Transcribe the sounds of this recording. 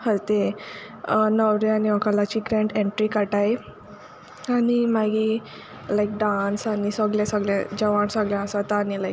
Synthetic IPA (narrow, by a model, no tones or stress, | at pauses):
həɾt̪e | nəwɾjaniɔkalat͡ɕiːɡɾɛ̃ɳʈẽɳʈɾikaʈaj | animaɡi | lajk̚ɖansanisəɡljãsəɡljãd͡ʑəʋaɳsəɡljãasat̪aːnilajk̚